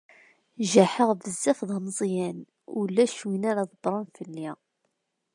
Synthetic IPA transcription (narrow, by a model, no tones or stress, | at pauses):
ʒæħəʁvəzːæfðˤɑməzˤjæn | ulːæʃwinaɾaðˤəbɾˤɑnfəlːi